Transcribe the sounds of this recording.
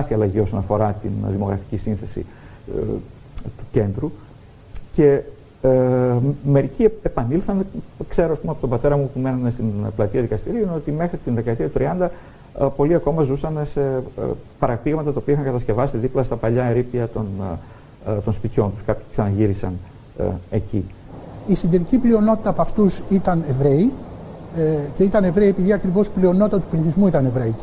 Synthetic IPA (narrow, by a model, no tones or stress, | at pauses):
st̪iɐlɐʝio̞sɐnɐfo̞ɾɐt̪ḭnðimo̞ɣɾɐfi̥cisinθe̞sḭ | t̪uce̞nd̪ɾu | ce̞ | me̞ɾiciepɐnilθɐnkse̞ɾoɐspumeɐpo̞t̪obɐt̪e̞ɾɐmupume̞nɐnest̪inplɐt̪iɐðikɐst̪iɾiuineot̪ime̞xɾit̪inðe̞kɐet̪iɐt̪ut̪ɾiɐnd̪ɐ | po̞liɐko̞mɐzusɐnese̞̰pɐɾɐpiɣmɐt̪ɐt̪ɐopiɐixɐŋkɐt̪ɐsce̞vɐsiðiplɐst̪ɐpɐʎɐɾipiɐt̪o̞n | t̪o̞nspit̪ço̞nt̪uskɐpçi̥ksɐnɐʝiɾisɐn̰ | e̞ci | isind̪eɾiciplio̞no̞t̪i̥t̪ɐpɐft̪usit̪ɐnevɾe̞i | ce̞it̪ɐne̞vɾeiepiðiɐkɾivo̞splio̞not̪it̪ɐt̪upliθizmuit̪ɐne̞vɾeii